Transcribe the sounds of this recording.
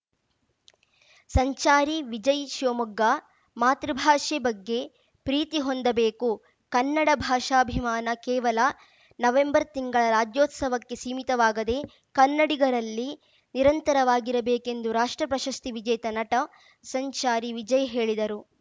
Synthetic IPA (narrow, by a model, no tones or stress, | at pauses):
sɐɲt͡ʃaːɾiʋid͡ʒɐjʃoːmuɡːa | maːt̪ɾɐbʱaːʂɛbɐɡːe̞ | pɾiːt̪iɦond̪ɐbeːku | kɐnːɐɽɐbʱaːʂaːbʱimaːnɐkɛːʋɐlɐ | nɐʋe̞mbɐɾt̪iŋɡɐɭɐɾaːd͡ʒjoːt̪sɐʋɐkːe̞siːmit̪ɐʋaːɡɐd̪e̞ | kɐnːɐɽiɡɐɾɐlːi | niɾɐnt̪ɐɾɐʋaːɡiɾɐbeːke̞nd̪uɾaːʂʈɾɐpɾɐʃɐst̪iʋid͡ʒɐjt̪ɐnɐʈɐ | sɐɲt͡ʃaːɾiʋid͡ʒɐjɦe̞ːɭid̪ɐɾu